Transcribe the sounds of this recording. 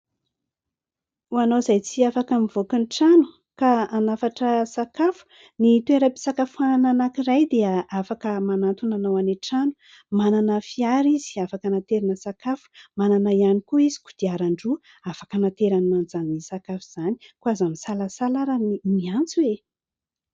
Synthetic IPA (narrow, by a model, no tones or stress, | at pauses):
uanozajt͡siafakamivokinʈ͡ʂanu̥ | kaanafaʈ͡ʂəsakafu̥ | nit̪ueɾəpi̥sakafuanananakiɾajd̪eəafakəmanant̪unanawaneʈ͡ʂanu | mananəfiaɾiziafakənat̪eɾinəsakafu̥mananaianikuizi̥kud̪̥iaɾaɳɖ͡ʐu | afḁkənat̪eɾaninanzannisakafuz̥ani̥kuazamisalasalaɾanimiant͡suwe